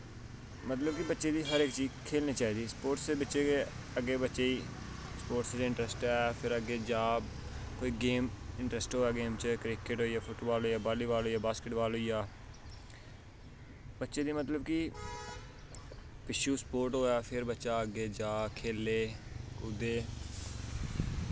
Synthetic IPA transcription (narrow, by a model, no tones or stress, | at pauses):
mət̪ləbkibətːʃeːd̪iːɦəɾeːkt͡ʃiːzkʰeːlniːt͡ʃaːiːd̪iːspoːɾʈsebətːʃeke | əɡeːbətːʃeːiː | spoːʈsed̪iːɪ̃ɳʈɾɛsʈɛːpʰɪɾəɡeːd͡ʒaːb | koːiːɡeːmɪ̃ɳʈɾɛsʈɦoːɛːɡeːmt͡ʃəkɾɪkɪʈɦoːijaːpʰʊʈoːʋaːloːjaːbaːliːʋaːlɦoːiːjaːbaːskɪʈʋaːloːijaː | bətːʃeːd̪iːmət̪ləbki | pɪʃuːspoːɾʈɦoːaːpʰɪɾbətːʃaːəɡeːd͡ʒaːkʰeːlːeːkʊd̪eː